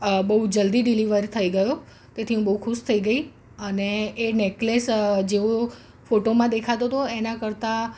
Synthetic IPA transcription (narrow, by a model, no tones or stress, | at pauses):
bəɦud͡ʒəld̪iɖiliʋəɾt̪ʰəiɡəjo | t̪et̪ʰiɦũbəɦukʰuʃt̪ʰəiɡəi | əneːneklesd͡ʒeo | foʈomãd̪ekʰat̪ot̪oenakəɾt̪a